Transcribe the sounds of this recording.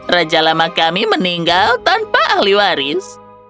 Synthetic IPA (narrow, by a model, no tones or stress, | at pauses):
rad͡ʒalamakamiməniŋɡalt̪anpaʔahliwaɾɪs